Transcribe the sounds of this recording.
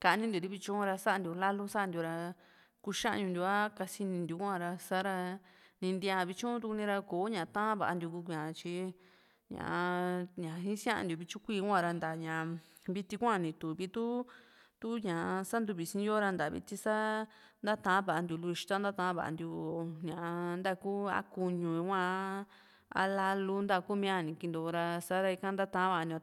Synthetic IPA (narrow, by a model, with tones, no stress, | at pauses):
ka˧nĩ˦nd̪ju˨ɾi˧βi˧t͡ʃũ˦ũ˦˧ɾa˧sa˦˧nd̪ju˧la˦lu˦sa˦˧nd̪ju˧ɾa˧ | ku˧ʃã˦ʔɲũ˧nd̪ʲu˧a˦ka˧si˧nĩ˧nd̪u˧kʷã˦˧˨ɾa˧sa˦ɾa˧nĩ˧nd̪i˧a˧˨˧βi˧t͡ʃũ˦t̪u˧ku˧nĩ˧ɾa˧koː˨˦ɲã˨˧t̪ã˦βa̰˨˧nd̪ʲu˧ku˧kɲã˨˧t͡ʃi˧ | ɲã̰˨ʔa˧ɲã˨˧ɦĩ˦sj̃ã˦ʔa̰˧ndju˧βi˧t͡ʃũ˦kʷiː˧kʷã˧ɾa˧nd̪a˨ɲã˨ | βi˧t̪i˧kʷã˦˨nĩ˧t̪u˨βi˧˦t̪u˦t̪u˦ɲã˨ʔsa˦nd̪u˧βi˨sĩ˧˦jo˦ɾa˧nd̪a˨˧βḭ˧t̪i˧sa˦ | nd̪a˦t̪ã˧˦βa˨ʔa˧nd̪ju˧lu˧i˧ʃi̥˧t̪a˦nd̪a˦t̪ã˧˦βa̰˨ʔa̰˧nd̪ju˧o˧ɲã˨a˧nd̪a˦˧ku˦a̰˦ku˧ɲũ˧i˧˦kʷã˧ | a̰˧la˧lu˦nd̪a˧ku˦mĩ˧˦a˧˨nĩ˧ki˧nd̪o˧ɾa˧sa˦ɾa˧i˧kã˧nd̪a˦t̪ã˧˦βa˧˨˧nd̪ju˧